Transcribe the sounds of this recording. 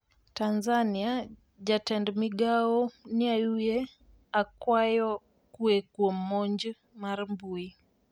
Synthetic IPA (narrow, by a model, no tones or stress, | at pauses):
tanzania | ʄatɛndmiɠaɔniajujɛ | akwajɔ | kuɛkuɔm̩mɔɲd͡ʒ | maɾmbui